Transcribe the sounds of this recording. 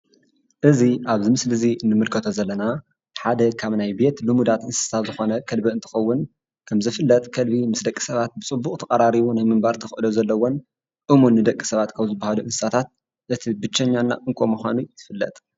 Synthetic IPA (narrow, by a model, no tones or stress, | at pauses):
ʔɨziʔaβzɨmɨslɨzinɨmɨlkʰɐt̪ʰozɐlːɐna | ħad̪ɐkʰaβnajbe̞t̪lɨmud̪at̪ʔɨnsssat̪zɨxo̞nɐkʰɐlbiɨnt̪ʰɨ̥xɐwːʊn | kʰɐmzɨfɨlːɐt̪ʼkʰɐlbimɨsd̪ɐkʼːi̥sɐβat̪̚bɨt͡sʼɨbːukʼt̪ʰɐkʼɐɾaɾiβunajmɨmbaɾt̪ʰɐxɨʔɨd̪ozɐlːɐwon | ʔɨmunːɨd̪ɐkʼːi̥sɐβat̪kʰɐmzɨbːahaluʔɨnsɨsat̪ʰat̪̚ | ʔɨt̪ʰibɨt͡ʃːɐɲːanːa̰ʔɨŋkʷʰʼo̞muxʷanut̪ʰɨfɨlːɐ̰t̪ʼ